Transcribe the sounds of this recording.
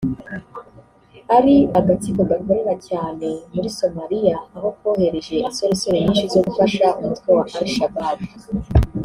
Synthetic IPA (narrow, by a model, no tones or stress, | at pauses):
aɾiaɡat͡sikoɡakoɾeɾacaːne̞muɾiso̞maɾijaːho̞kwoːhe̞ɾe̞ʒe̞ʔinsoɾosoɾeɲiːnʃizoɡufaʃautkowahaɾiʃababi